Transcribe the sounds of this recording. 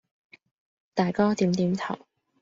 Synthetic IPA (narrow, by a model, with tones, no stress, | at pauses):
t̪aː˨˩jkaː˥t̪iː˨˥mt̪iː˨˥mt̪ʰɐ̰˨˩w